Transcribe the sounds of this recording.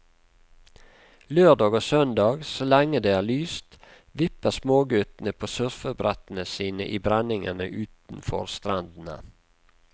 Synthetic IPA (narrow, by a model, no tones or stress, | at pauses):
løːɖɑːɡoːsœnd̪ɑːɡsoːlæŋəd̪eːæːlyːst̪ | ʋɪpəsmoːɡʉt̪n̩əpʰoːsœɾfəbɾɛt̪n̩əsiːnə̰ʔiːbɾænɪŋənə̰ʔʉːt̪n̩fɔ̰ɾst̪ɾɑnd̪n̩ə̰